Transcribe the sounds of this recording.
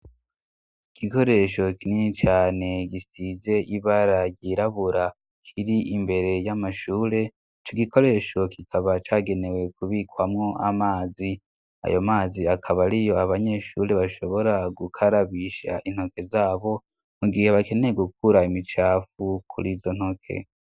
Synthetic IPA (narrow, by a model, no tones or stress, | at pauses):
iɡ̥iko̞ɾe̞ʃo̞kinit͡ʃaːne̞ɡisize̞ʔiβaɾajɟiɾaβuɾa | kʰiɾiʔimbe̞ɾe̞jamaʃuːɾe̞ | it͡ʃoɡikʰo̞ɾe̞ːʃo̞kikʰaβat͡ʃaːɡe̞ne̞we̞kuβikwamŋo̞ʔamaːzi | a̰jomaːziakʰaβaɾijo̞aβaɲe̞ʃuɾe̞βaʃo̞βo̞ɾaɡukʰaɾaβiʃa̰ʔin̥ho̞ke̞zaːβo̞ | muɡihe̞βake̞ne̞jeɡuk̚uɾaimit͡ʃaːfukʰṵɾiːzo̞n̥ho̞kʰḛ